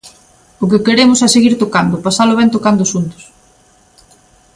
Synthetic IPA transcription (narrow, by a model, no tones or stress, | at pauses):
ʊk̬ekeɾemʊsɛseɣiɾt̪okand̪ʊpasaloβɛnt̪okand̪ʊsunt̪ʊ̥s